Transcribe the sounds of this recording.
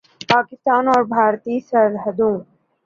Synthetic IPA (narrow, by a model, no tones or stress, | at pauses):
paːkɪst̪aːnɔːɾbʱaːɾt̪iːsɐɾɦəd̪ũː